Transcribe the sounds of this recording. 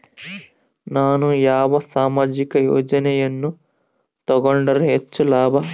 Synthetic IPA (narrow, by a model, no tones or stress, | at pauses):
naːnujaːʋɐsaːmaːd͡ʒikɐjo̰ːd͡ʒɐnɛjɐnːu | t̪ɐɡoɳɖɐɾeɦet͡ʃːulaːbʱɐ